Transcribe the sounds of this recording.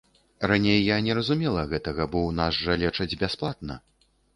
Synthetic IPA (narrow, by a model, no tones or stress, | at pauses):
ranʲejːanʲɛɾɐzumʲɛlˠɐɣɛt̪ɐɣɐbɔwnazʐɐlʲɛt͡ʂɐd͡zʲbʲasplˠat̪̚nɐ̰